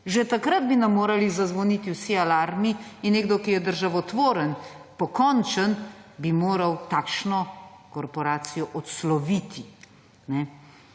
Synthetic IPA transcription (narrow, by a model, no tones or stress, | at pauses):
ʒet̪akɾad̪binɐmːoːɾɐlizazʋɔniːt̪iwsialaːɾmiinːeːɡd̪ɔkijɛd̪əɾʒaʋɔt̪ʋoːɾənpɔkɔnt͡ʃənbimoːɾɐwt̪aːkʃnɔkɔɾpɔɾaːt̪sijɔʔɔt̪slɔʋit̪ʰi | nɛ